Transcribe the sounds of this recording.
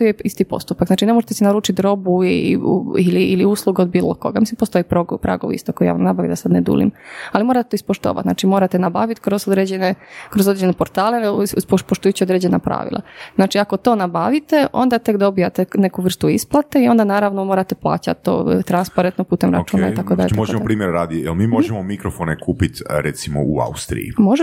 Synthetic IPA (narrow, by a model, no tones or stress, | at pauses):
t̪ojeist̪ipo̞̰st̪upakznaːt͡ʃine̞mo̞ʒet̪esinaɾuːt͡ʃit̪ɾo̞bui | iliːliuːslˠuɡeod̪biːlˠo̰ko̞̰ɡamislimpost̪o̞jipɾoɡpɾa̰ɡoʋḭst̪okojija̰ʋa̰mnabaʋḭd̪asad̪ned̪ṵlḭmalimoɾat̪e̥t̪oispoʃt̪o̰ːʋa̰t̪na̰ːt͡ʃimo̞ːɾat̪enabaʋit̪kɾozod̪ɾed͡ʑenekɾo̞zod̪ɾed͡ʑenepoɾt̪aːlenespopoʃt̪ujuːt͡ɕiod̪ɾed͡ʑe̞napɾa̰ːʋḭlʔa̰znaːt͡ʃiako̞t̪o̞ːnabaʋit̪e̞ʔo̞̰nd̪at̪ekd̪o̞bijat̪ene̞kuʋr̩st̪uisplˠat̪eio̞nd̪anaːɾaʋnomo̞ːɾat̪eplˠa̰ːt͡ɕa̰t̪̚t̪ːo̰t̪ɾanspaɾent̪nopuːt̪emɾa̰t͡ʃuːnaḭakod̪aʎeoʒemopɾiːmjeɾɾaːd̪iejelmiːmoʒɛmomikɾofonekuːpit̪ʲɾɛt̪simo̰ua̰ust̪ɾḭjḭmoʒe